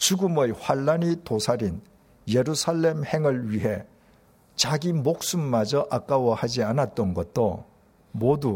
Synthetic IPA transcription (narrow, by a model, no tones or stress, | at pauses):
t͡ɕuɡɯmɯjɸwaɭːanitosʰaɾin | jeɾusʰaɭːe̞mhe̞ŋɯɭɥiɦe̞ | t͡ɕaɡimok̚s͈umːad͡ʑʌʔak͈awʌhad͡ʑianat̚t͈ʌnɡʌt̚t͈o | modu